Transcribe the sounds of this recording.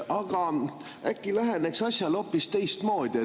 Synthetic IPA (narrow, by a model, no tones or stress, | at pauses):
ɑɡ̥ɑ | ækːilæɦe̞neksɑsʲjɑlo̞pːˑist̪e̞jst̪mo̞ːd̪̥ie